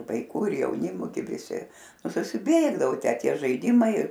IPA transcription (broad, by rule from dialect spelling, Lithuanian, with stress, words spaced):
ʋɐɪˈkuː ɪr jɛʊˈnʲɪmʊ ˈɡʲɪ ʋʲɪˈsʲɪ ˈnʊ sʊsʲɪˈbʲeːɡdɐʋoː ˈtʲæː ˈtʲiɛ ʒɐɪˈdʲɪmɐɪ